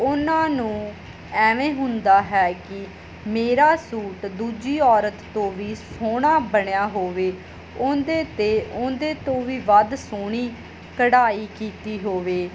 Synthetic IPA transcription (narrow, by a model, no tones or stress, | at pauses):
ʊnãːnũː | ɛːʋẽːɦʊ̃nd̪aːɦɛːkɪ | meːɾaːsuːʈd̪uːd͡ʒiːɔːɾət̪ːõːʋiːsoːɽãːbəɳejaːɦoːʋeː | ʊnd̪eːt̪eːʊ̃nd̪eːt̪õːʋiːʋəd̪soːɳ̃iː | kəɽaːiːkiːt̪iːɦoːʋeː